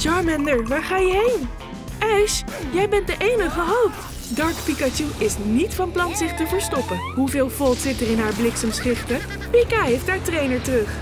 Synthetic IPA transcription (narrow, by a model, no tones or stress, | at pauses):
d͡ʒɑɹmɛndəɹʋaːɹχaːjəɦejn | ʔɛʃjɛjbɛnt̚dəʔejnəχəɦowpt | dɑɹkpikat͡ʃuʔɪsnitfɑnplɑnzɪχtəvəɹstɔpənɦuvɪːlˠvɔlˠtsɪtərɪnɦaːɹblɪksəmsχrɪftə | pikaːɦejftɦaːɹtrejnəɹtərɵχ